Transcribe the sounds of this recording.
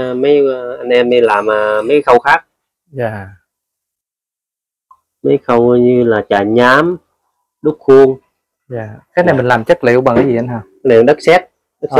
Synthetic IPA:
ma˨˦jʔa˧nʔɛ˧mːi˧˩laː˨˩mʔaː˨˩mːa˨˦˥xə˧wxaː˦˥k̚ | zaː˨˩ | ma˦˥jxə˧˩wɲɨ˧laː˨˩t͡ɕaː˨˩ɲaː˨˦m | ɗʊ˦˥t̚xu˧əŋ | aː˨˩kaː˨˥jna˨˩jmï˨˩ŋ̟laː˨˩mt͡ɕə˦˥k̚li˨˧˨wɓa˨˩kaː˨˦zi˨˩˨ʔa˧nɦaː˧˩ | nɨ˨˩ə˦ŋɗə˦˥k̚sɛ˦˥t̚ | ɗk̚

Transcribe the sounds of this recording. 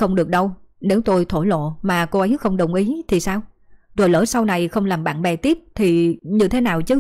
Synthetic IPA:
xə˧wŋ͡mɗɨ˨˩ək̚ɗə˧wne˨˦wt̪o˧jt̪ʰo˧˩jlo̰˧˨maː˨˩ko˧ʔə˨˦jxə˧wŋ͡mɗə˨˩wŋ͡mʔi˨˦t̪ʰi˨˩saː˧w | zo˨˩jləː˧˩sa˧wna˨˩jxə˧wŋ͡mlaː˨˩mɓa̰ː˧˨nɓɛ˨˩t̪i˦˥əp̚t̪ʰi˨˩ɲɨ˧t̪ʰe˨˦naː˨˩wt͡ɕɨ˨˦

